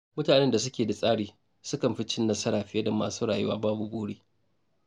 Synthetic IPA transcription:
mʊ˦taː˨nɛ˦nda˨s̬ʊ˦kʲeː˨da˨sʼaː˦ɽiː˨ | sʊ˦kɐ˨mɸɪ˦t͡ʃɪ˦nːɐ˦sɐ˦ɾaː˨ɸɪ˦ɐ˦da˨maː˨suː˦ɽaː˨jʊ˦wa̰ː˦baː˦bu˨boː˦ɽeː˦

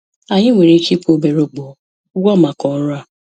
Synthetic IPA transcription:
a˨ɲɪ˦ŋʷe˨ɾe˨˦ki˦kʷo˨be˨ɾo˨k͡po˨˦ | ɡɔ˦˨ma˨kɔ˨˦ɾʊ˦a˦˨

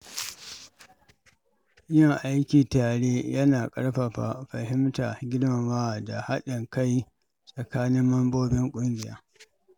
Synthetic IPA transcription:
jɐ˦˨ŋʔa˦jkʲiː˨taː˨ɽeː˦jɐ˦naː˨kʼɐ˦ɽɸa˨ɸa˨ɸɐ˨hɪ˦mta˨ɡʲɪ˦dma˨waː˦˨da˨ha˦ɗɪ˨ŋka˦j | sʼɐ˨kaː˦nɪ˦mːɐ˦mboː˦bɪ˦ŋkʷʼʊ˦ŋɡʲɪ˨ja̰ː˦

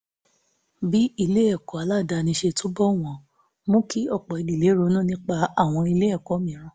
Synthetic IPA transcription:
bi˦i˧le˦ɛ˦˨kɔ˨˦a˨˦la˦˨da˧nĩ˧ʃe˧to˦bɔ˦˨w̃ɔ̃˨ | mõ˦ki˦ɔ˦˨k͡pɔ˨i˧di˨le˨˦ɾo˧˦nũ˦˨nĩ˦k͡pa˧a˦˨w̃ɔ̃˧i˧le˦ɛ˦˨kɔ˨˦mĩ˨˦ɾ̃ã˧˦

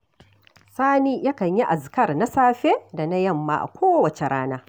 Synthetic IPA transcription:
saː˦niː˦ja˦kɐ˨ɲji˦ʔa˨zkɐ˦rna˦saː˦ɸe˦da˨na˦jɐ˦˨mːa̰ː˦ʔa̰˨kʷoː˦wɐ˨t͡ʃe˨ɾaː˦naː˦

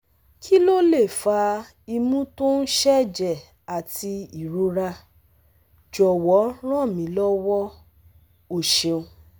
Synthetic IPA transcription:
kʰi˦lo˦le˦˨fa˧ | i˧mũ˦to˦n̩˦ʃɛ˦˨d͡ʒɛ˨ | a˨ti˧i˨ɾo˨˧ɾa˧ | d͡ʒɔ˨wɔ˨˦ɾ̃ã˦˨mĩ˨˦lɔ˦wɔ˦ | o˦˨ʃe˧o˧

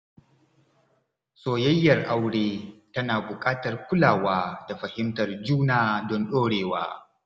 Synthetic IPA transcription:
soː˨jɐ˦jːɐ˨rʔa˦wɽeː˦tɐ˦naː˨bʊ˨kʼaː˦tɐ˨rkʷʊ˦laː˨waː˦da˨ɸɐ˨hɪ˦mtɐ˨rd͡ʒuː˦naː˨dɔ˦nɗoː˦ɽeː˨waː˦

